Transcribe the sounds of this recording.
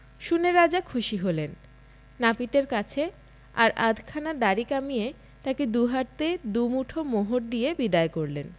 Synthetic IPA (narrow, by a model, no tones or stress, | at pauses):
ʃuneɾad͡ʑakʰuʃiɦolenː | apit̪eɾkat͡ɕʰe | aɾʔad̪ʱkʰanad̪aɾikamije | t̪aked̪uɦaʈ̚t̪ed̪umuʈʰomoɦoɾd̪ijebid̪aekoɾlen